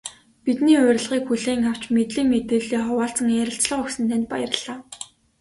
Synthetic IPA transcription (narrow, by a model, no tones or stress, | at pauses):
pit̪niːʊːɾ̆ʲɮʁiːkxuɮeːŋaw̥t͡ɕmet̪ɮiːŋmet̪eːɮiːχʊwaːɬt͡sə̆ŋeːɾə̆ɬt͡sɮə̆χɵksɘ̆nt̪ʰeːnt̪̚pajə̆r̆ɮaː